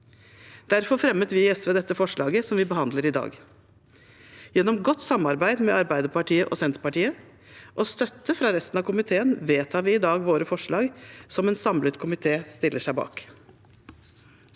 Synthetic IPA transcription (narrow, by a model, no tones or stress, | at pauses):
d̪̥æɾfɔɾfɾɛmːət̪ʋɪɛsʋeːd̪ɛt̪ːəfɔʂɭɑːɡəsɔmʋɪbəhɑnd̪ləɾɪd̪ɑ̰ːɡ | jɛnɔmɡɔt̪ːsɑmɑɾbæɪd̪mɛɑɾbæɪd̪əɾpɑʈʰiːəʔɔsɛnt̪pɑʈiːə | ʔɔst̪œt̪ːəfɾɑɾɛst̪ənɑʋkʊmɪt̪ʰeːənʋeːt̪ʰɑːʋɪɪd̪ɑːɡʋoːɾəfɔʂɭɑːɡsɔmɛːnsɑmlət̪kʰʊmɪt̪ʰeːst̪ɪlːəʂæɪbɑ̰ːk